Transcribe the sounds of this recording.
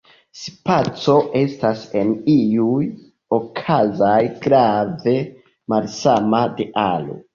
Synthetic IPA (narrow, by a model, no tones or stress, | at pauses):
spat͡so̞ʔe̞stase̞niuj | o̞kʰazajɡɾave̞ | malsamade̞ʔalo̰